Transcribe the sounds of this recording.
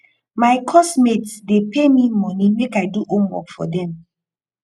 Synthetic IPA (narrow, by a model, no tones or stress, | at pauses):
maɪkʰɔsmetsdepʰemimɔnimekaɪduʔõmwɔ̰kfɔ̰dɛ̃m